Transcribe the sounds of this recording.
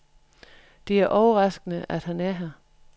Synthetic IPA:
d̥e̝æɐʔɒʊəʁɑ̈sɡ̥ənəʔæd̥hænæɐɦæ

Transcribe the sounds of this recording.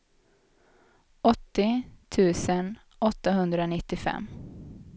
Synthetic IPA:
ʔɔt̪ːɪt̪ʰʉ̟ːsən | ʔɔt̪ːaɦɵnd̪ɾaɔnɪt̪ːɪfɛ̰mː

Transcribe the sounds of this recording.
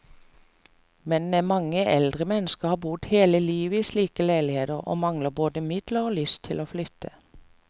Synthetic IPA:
mɛnmɑŋəʔɛld̪ʁəmɛnəskəʁhɑːbʊd̪heːləliːʋəiːsliːkəlæɪlɪheːd̪əʁo̰ːmɑŋləboːd̪əmɪd̪ləʁoːlʏst̪ʰɪloːflʏt̪ʰːə

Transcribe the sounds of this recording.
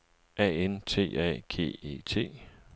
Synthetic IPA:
ʔɛ̰ːent͡sʰe̝̰ːɛ̰ːɡ̥ʰe̝̰ːḛːt͡sʰe̝̰ː

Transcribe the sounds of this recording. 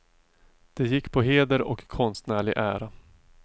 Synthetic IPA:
d̪̥ɛjɪkːpʰɔɦeːd̪əɾɔ̰kʰːɔnst̪næːɭɪɡʔæ̰ːɾa

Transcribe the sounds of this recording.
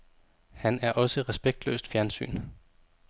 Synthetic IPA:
hænæɐʔɒ̽səʁɛsb̥eɡ̥̚d̥lø̰ːsd̥fjæɐnsy̰ːn

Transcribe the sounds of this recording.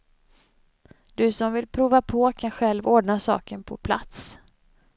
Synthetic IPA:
d̪̥ɵsɔmvɪlpʰɾuːvapʰɔkʰanɧɛlvoːɖɳasɑ̰ːkənpʰɔ̰pʰla̰t̪s

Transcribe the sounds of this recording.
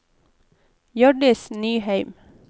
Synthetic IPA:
jɔɖɪsnyːhæɪm

